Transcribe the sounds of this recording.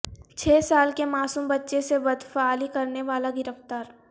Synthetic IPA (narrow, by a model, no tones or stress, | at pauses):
t͡ʃʰeːsaːlkemaːsuːmbɐtːʃesebɐd̪faːlikɐɾneʋaːlaɡɪɾəft̪aːɾ